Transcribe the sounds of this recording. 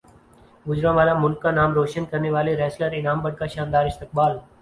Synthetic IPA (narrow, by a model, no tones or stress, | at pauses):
ɡʊzɾãʋaːlamʊlkːaːnaːmɾoːʃənkəɾneʋaːleɾɛːsləɾɪnaːmbəɽ̚kaːʃaːnd̪aːɾɪst̪ɪk̚baːl